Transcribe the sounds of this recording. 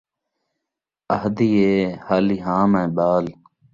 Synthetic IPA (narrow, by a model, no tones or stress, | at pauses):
əhd̪iːeːhaliɦaːmẽːbaːl